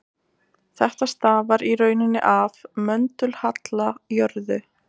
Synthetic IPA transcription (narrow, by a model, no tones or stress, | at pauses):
θɛht̪ast̪aːvaɾirœːɥnɪnːɪ̰ʔavmœnt̪ʏlhat̪lajœɾðʏ